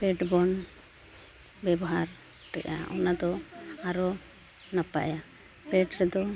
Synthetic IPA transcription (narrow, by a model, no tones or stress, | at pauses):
pɛʈbɔn | bɛbɔɦaɾ | ʈɛʔa̰ʔɔnad̪ɔaɾɔ | nəpa̰ja | pɛʈɾɛd̪ɔ